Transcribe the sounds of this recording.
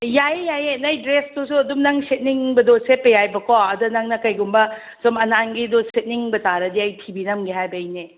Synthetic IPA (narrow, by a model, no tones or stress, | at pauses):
jajjajenɐjdɾestosuɐdumnɐŋset̚niŋbɐdosepejajbɐkʰoaɐdɐnɐŋnɐkɐjɡumbɐ | somɐnaŋɡidoset̚niŋbɐtaɾɐdiɐjtʰibinɐmɡiɦajbɐijne